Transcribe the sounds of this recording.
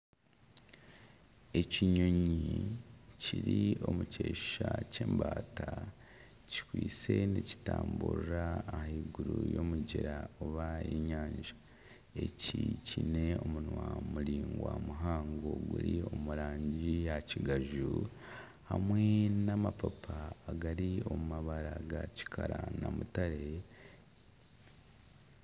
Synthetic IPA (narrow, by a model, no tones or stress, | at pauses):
e̞ciɲo̞ɲi | ciɾio̞muceːʃace̞ːmbaːta | ci̥kwiːt͡se̞nici̥taːmbuɾaːhiɡuɾujomuɟeɾaoβajiɲaːɲd͡ʒa | e̞cicine̞o̞munwamuɾiːŋɡwamuɦaːŋɡoɡuɾio̞muɾaːɲɟijaciɡaʒu | hamwenamapapʰaːɡaɾio̞mumaβaɾaɡaci̥kʰaɾanamutaɾe